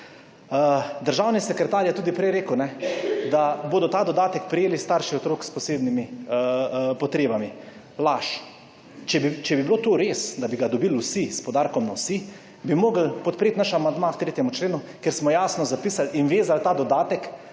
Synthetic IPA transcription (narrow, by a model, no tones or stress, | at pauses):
əd̪əɾʒawnisɛkɾɛt̪aːɾjɛt̪uːd̪ipɾɛjɾeːkəwnɛd̪aboːd̪ɔt̪aːd̪ɔd̪aːt̪ɛkpɾijeːlist̪aɾʃiɔt̪ɾoːkspɔseːbnimi | pɔt̪ɾeːbami | laʃ | t͡ʃɛbit͡ʃɛbibiloːt̪oɾeːsd̪abiɡad̪ɔbilwsispɔd̪aːɾkɔmnawsi | bimoːɡəlpɔt̪̚pɾeːt̪naʃamand̪makt̪ɾeːt̪jɛmut͡ʃleːnu | keɾsmɔjaːsnɔzapiːsalinʋeːzalt̪aːd̪ɔd̪aːt̪ɛk